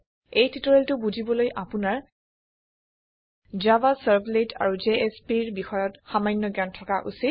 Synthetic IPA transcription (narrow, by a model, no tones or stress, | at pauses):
ejtʰitɔɹeltʊbuzʱibɔlojʔapʊnaɹ | d͡ʒabasaɹbleta̰ɹud͡ʒeʔespiɹbixɔjɔtxamajnːɔɡjantʰɔkaʔusit